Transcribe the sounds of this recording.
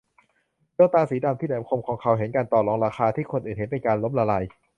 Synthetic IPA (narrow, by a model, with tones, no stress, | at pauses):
bɯː˧t̪aː˧siː˩˦daː˧mt̪ʰiː˥˩˨aː˨˦mkʰo˧mkʰɔː˩˦ŋkʰa˨˦wɦe˩˦nkaː˧nt̪ɔː˨˩lɔː˧ŋɾaː˧xʰaː˧t̪ʰiː˥˩kʰo˧nʔɯː˨˩nhe˨˦npe˧nkaː˧nlo˦˥mla˧la˧j